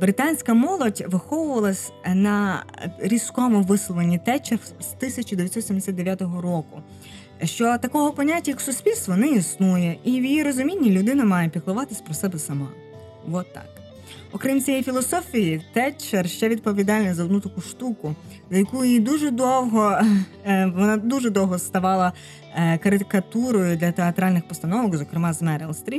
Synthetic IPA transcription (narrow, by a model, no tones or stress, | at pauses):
bɾɪt̪ɑnʲsʲkɐmɔlˠɔdʲʋɪxɔʋʊʋɐlˠɐsʲnɐ | ɾʲiskɔmʊʋɪslˠɔʋ̪ɐnʲːit̪ɛt͡ʃerst̪ɪsʲɐt͡ʃʊd̪eʋʲjt̪sɔt̪sʲimd̪esʲat̪d̪eʋʲjat̪ɔɦɔɾɔkʊ | ʃt͡ʃɔt̪ɐkɔɦɔpɔnʲatʲːɐjɐksʊsʲpʲilʲst̪ʋɔnɛisnujɛiwjijiɾɔzʊmʲinʲːilʲʊd̪ɪnɐmɑjɛpʲiklˠʊʋɑt̪ɪsʲpɾɔsɛbɛsɐmɑ | ʋɔt̪ːɑ̰k | ɔkɾimt͡sʲijifʲilˠɔsɔfʲijit̪ɛt͡ʃɛrʃt͡ʃɛʋʲid̪̚pɔʋʲid̪ɑlʲnɐzɐɔd̪nut̪ɐkuʃt̪ukʊ | zɐjɐkujid̪uʒɛd̪ɔwɦɔ | ʋɔnɑd̪uʒɛd̪ɔwɦɔst̪ɐʋɑlˠɐ | kɐɾɪt̪kɐt̪uɾɔjʊd̪lʲɐt̪eɐt̪ɾɑlʲnɪxpɔst̪ɐnɔʋɔkzɔkɾɪmɑzmɛɾelˠst̪ɾʲi